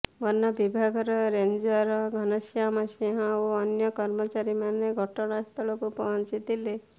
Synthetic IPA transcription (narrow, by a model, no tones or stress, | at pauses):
bɔnːabibʱaɡɔɾɔɾeɲd͡ʒɔɾɔɡʱɔnɔʃjamaʃeɦãoɔnjɔkɔɾmɔt͡ʃaɾimaneɡʱɔʈɔɽ̃ast̪ʰɔɭukupɔɦnt͡ʃit̪ile